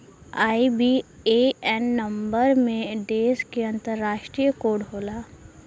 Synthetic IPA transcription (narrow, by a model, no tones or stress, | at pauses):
aːibi | eɛnːɐ̃mbəɾmẽɖeːskeɐ̃nt̪əɾːaːʃʈɾijəkoːɽɦoːlaː